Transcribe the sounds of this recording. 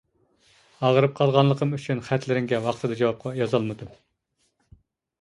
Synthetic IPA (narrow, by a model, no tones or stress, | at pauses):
ɑʁəɾɨp̚qʰɑlˠʁɑnlˠəqʰəmyt͡ʃʰynχæt̪lɪɾɪŋɡʲɛwɑχt̪ʰɨd̪ɨɑd͡ʒɑwɑp̚qʰɑjɑzɑlˠmɨd̪u